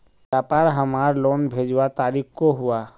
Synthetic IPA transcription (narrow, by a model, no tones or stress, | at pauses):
ʋjaːpaːɾɦəmaːɾloːnbʱeːd͡ʒwat̪aːɾiːkʰkoɦua